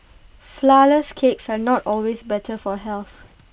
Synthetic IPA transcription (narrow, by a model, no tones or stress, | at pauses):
flaləskʰeksanɔtɔlwesbɛtʰəfɔɦɛlθ